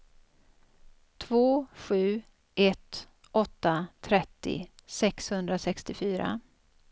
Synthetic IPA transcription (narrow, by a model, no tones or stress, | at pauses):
t̪ʰvoːɧʉ̟ː | ʔɛt̪ | ʔɔt̪ːat̪ʰɾɛt̪ːɪ̰sɛkshɵnd̪ɾasɛkst̪ɪfyːɾa̰